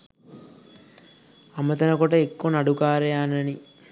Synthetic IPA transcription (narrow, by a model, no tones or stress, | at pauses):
ɐmːɐt̪ɐnɐkoʈɐekːonɐɽukaːɾeanɐni